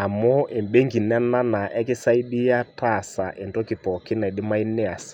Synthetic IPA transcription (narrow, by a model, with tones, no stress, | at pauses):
a˨mɔ˦ʔe˨mbe˦ŋɡi˨nɛ˦na˦na˨ʔɛ˦kɪ˦sa˦i˦ɗi˦ja˦ta˨sa˨ʔe˨ndɔ˦kɪ˨pɔ˨kɪ˦na˨i˨dɪ˦ma˦i˦nɛ˦a˨s